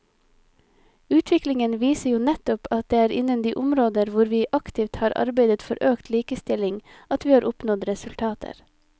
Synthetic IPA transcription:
ʉːt̪ʰʋɪklɪŋənʋiːsəjuːnɛt̪ʊpʰɑt̪̚d̪eːæːɾʔɪ̰nənd̪iːʔʊmɾoːd̪əɾʋʊɾʋiːʔɑkt̪ʰɪʋt̪hɑːɾʔɑ̰ɾbeɪd̪ət̪fɔɾʔøːkt̪ʰliːkəst̪ɪlɪŋ | ɑt̪ʋiːhɑːɾʔʊpnɔd̪ɾɛsʉlt̪ʰɑːt̪ʰə̰ɾ

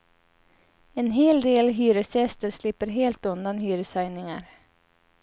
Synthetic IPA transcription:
ɛnɦeːld̪eːlɦyːɾəsɛst̪əɾslɪpːəɾɦeːlt̪ɵnd̪anɦyːɾəsajnɪŋaɾ

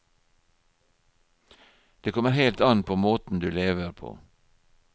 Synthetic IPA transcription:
d̪̥eːkʰɔməɾheɪlt̪ɑnpʰoːmoːt̪n̩d̪ʉːleːʋəɾpʰo̰ː

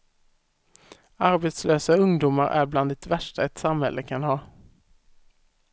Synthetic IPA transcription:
aɾbeːt̪sløːsaɵŋd̪uːmaɾʔæ̰bland̪ɛt̪væʂʈaɛt̪samhɛ̰lʔəkʰanhɑː

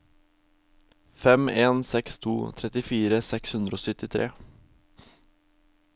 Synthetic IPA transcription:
fɛmeːnsɛkst̪ʰṵːt̪ʰɾɛt̪ɪfiːɾəsɛkshʉnd̪ɾoːsœt̪ɪt̪ʰɾʔḛː

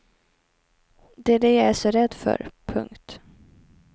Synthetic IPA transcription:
d̪ɛd̪ɛjaæʂɔɾɛd̪ːfœ̰ɾpʰɵ̰ŋkt̪

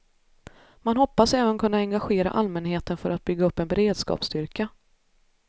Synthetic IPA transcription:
manhɔpːasɛːvənkʰɵnːaɛŋɡaɧeːɾa̰ʔalmɛnheːt̪ənfœɾat̪̚bʏɡːaɵpːɛnbɛɾeːd̪skɑ̰ːpst̪ʏɾka

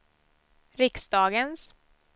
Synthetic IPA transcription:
ɾɪksd̪ɑːɡəns

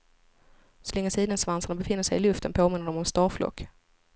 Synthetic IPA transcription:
sɔlɛŋːəsiːd̪ənsvansanɳabɛfɪnːəʂɛjɪlɵft̪ənpʰoːmɪnːəɖɔmɔmst̪ɑːɾflɔ̰kː

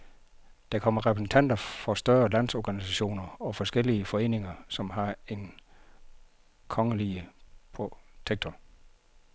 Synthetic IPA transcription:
d̥ɑ̈kʰɒ̽m̰ɐʁɛpʰʁsn̩t͡sʰæn̰d̥ɐfɒ̽sd̥ɶɐlæn̰sɒɡ̥ænisæɕo̝̰ːnɐɒ̽fɒ̽sɡ̥el̰iəfɒ̽e̝̰ːne̝ŋɐsɒ̽mɦɑ̈e̝n | kʰɒ̽ŋəliəpʰot͡sʰeɡ̥̚t͡sʰo

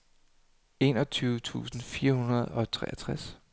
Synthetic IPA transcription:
e̝nɒ̽t͡sʰyːʊət͡sʰṵːsn̩fiːɐhunɐð̞ˠɒ̽t͡sʰʁɛ̰ːæɐt͡sʰʁas

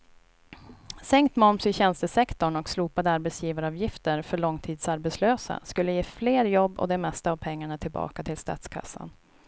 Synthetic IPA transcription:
sɛŋk̚t̪mɔmsɪɕɛnst̪əsɛkt̪ɔɳɔksluːpad̪əaɾbɛt̪sjiːvaɾɑːvjɪft̪əɾfœɭɔŋːt̪ʰiːd̪saɾbɛt̪sløːsa̰skɵlːəjeːfleːɾjɔbːɔ̰d̪ɛmɛst̪aːvpʰɛŋːaɳat̪ʰɪlbɑ̰ːkat̪ʰɪlst̪ɑ̰ːt̪skʰa̰sːa̰n

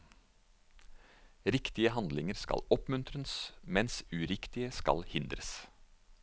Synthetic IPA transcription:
ɾɪkt̪ɪəhɑnd̪lɪŋəɾskɑ̰lɔpmʉnt̪ʰɾənsmɛnsʉːɾɪkt̪ɪəskɑ̰lhɪnd̪ɾəs

